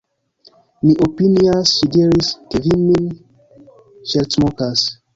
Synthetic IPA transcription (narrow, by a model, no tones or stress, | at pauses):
miʔopiniasʃidiɾiskevimin | ʃeɾtmokas